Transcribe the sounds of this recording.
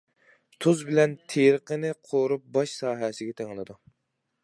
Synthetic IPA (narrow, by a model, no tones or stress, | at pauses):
t̪ʰuzbɪlɛnt̪ʰeɾqənɪqʰoɾup̚bɑʃsɑːɦɛsɪɡʲɛt̪ʰeŋlˠɨd̪u